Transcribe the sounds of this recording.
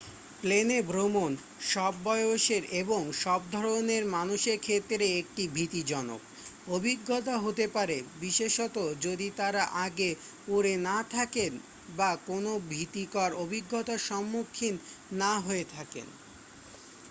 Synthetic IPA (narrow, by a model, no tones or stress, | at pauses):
plenebɾomon | ʃɔbːɔeoʃeɾeboŋʃɔb̚d̪ʱɔɾoneɾmanuʃeɾkʰet̪ːɾeek̚ʈibʱit̪id͡ʑɔno̰k | obʱiɡːot̪aɦot̪epaɾebiʃeʃot̪od͡ʑod̪it̪aɾaʔaɡe | uɾenat̪ʰaken | bakonobʱit̪ikaɾobʱiɡːot̪aʃɔmːukʰːinːaɦoet̪ʰakḛn